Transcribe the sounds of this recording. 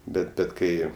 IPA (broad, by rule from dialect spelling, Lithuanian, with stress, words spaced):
ˈbʲɛt ˈbʲɛt ˈkɐɪ